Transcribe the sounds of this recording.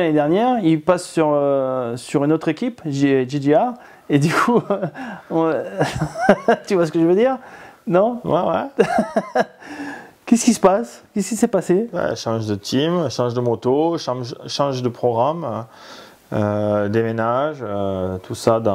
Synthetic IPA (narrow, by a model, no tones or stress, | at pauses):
aned̪ɛʁnjɛʁilpasːyʁøsyʁynot̪χekʲipʒʒidia | ed̪ykʰu | ɔ̃ | t̪yvwas̬ə̥kəʒəvəd̪iːʁnɔ̃wɛwɛ | kʲɛsəkʲisə̥paskʲɛskʲisɛpasewɛ̰ʃɑ̃ʒd̪ət̪ʰimʃɑ̃ʒd̪əmɔt̪oʃɑ̃ʒʃɑ̃ʒd̪əpχɔɡʁam | ød̪emenaʒøt̪ʰusad̪ɑ̃